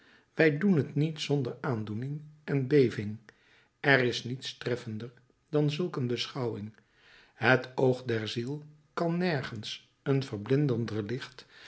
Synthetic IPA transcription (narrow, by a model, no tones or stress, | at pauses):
ʋɛjdunɦətnitsɔndəɹaːndunɪŋɛnbejvɪŋ | ʔɛrɪsnitstrɛfəndəɹ | d̥ɑnzɵlˠkənbəsχɑwɪŋ | ɦətowχdɛɹzilˠ | kɑnːɛɹχəns | ənvəɹblɪndəndəɹlɪχt